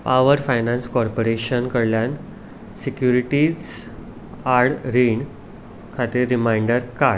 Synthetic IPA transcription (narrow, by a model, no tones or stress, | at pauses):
paʋəɾfajnãnskɔɾpoɾeɕənkəɽljan | sikjuɾiʈid͡z | aɾɽɾiɳ | kʰat̪iːɾːimaiɳɖəɾka